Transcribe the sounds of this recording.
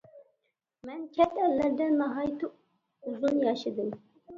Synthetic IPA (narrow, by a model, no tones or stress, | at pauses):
mɛnkʲʰɛt̪ʰælːæɾd̪ænmɑɦɑjt̪ʰu | uzunjɑʃɪd̪ɨm